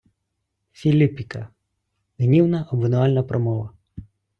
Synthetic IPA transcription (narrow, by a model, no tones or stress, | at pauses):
fʲilʲipʲikɐ | ɦnʲiwnɐʔɔbʋʲɪnʊalʲnɐpɾɔmɔʋɐ